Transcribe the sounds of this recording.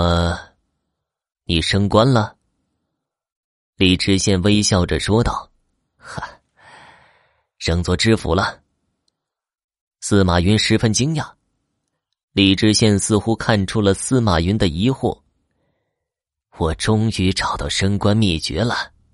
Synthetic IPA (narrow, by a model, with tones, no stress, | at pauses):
ə˧ | ni˨˩ʂɤ˥ŋkwa˥nlə˨ | li˨˩ʈ͡ʂɻ̩˥ɕjɛ˥˩nwe˥ɪɕjɑ˥˩ʊʈ͡ʂə̰˨˩ʂwɔ˥t̪ɑ̰˥˩ʊ | xə˧˩ | ʂɤ˧˩ŋt͡swɔ˥˩ʈ͡ʂɻ̩˥fṵ˧˥lə˧ | sɹ̩˥˩ma˨˩y˧˥nʂɻ̩˧˥fə˥nt͡ɕi˥ŋja˥˩ | li˨˩ʈ͡ʂɻ̩˥ɕjɛ˥˧nsɹ̩˥˧xu˥kʰa˥˧nʈ͡ʂʰu˥lə˨sɹ̩˥˩ma˨˩ɥy˧˥nd̪ə˨i˧˥xwɔ̰˥˩ | wɔ˨˩ʈ͡ʂʊ˥ŋy˧˥ʈ͡ʂɑ˨˩ʊt̪ɑ˥˩ʊʂɤ˥ŋkwa˥nmi˥˩t͡ɕɥɛ̰˧˥lə˨